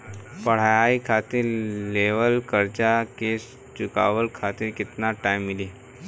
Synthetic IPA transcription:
pɐɽ̤aikʰaːt̪ɪɾleːʋəlkəɾt͡ʃake | t͡ʃʊka̰ːʋəlkʰaːt̪ɪɾkɪt̪naʈaːɪmːɪliː

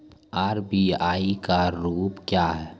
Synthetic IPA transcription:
aːɾbiaːikaɾuːpkjaːɦɛː

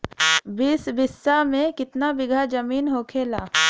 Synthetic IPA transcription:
bɪːsbɪsːamẽkɪt̪nabɪɡʱad͡ʒɐmiːnɦoːkʰeːlaː

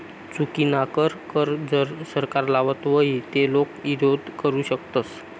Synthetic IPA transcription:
t͡sukinakəɾkəɾd͡zəɾsəɾkaɾlaʋət̪ʋəɦit̪elokʋiɾod̪ʱkəɾuːɕəkt̪ət͡s

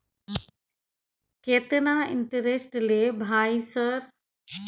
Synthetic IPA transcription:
keːt̪ɪnaɪ̰̃ɳʈəɾesʈleːbʱaːisəɾ

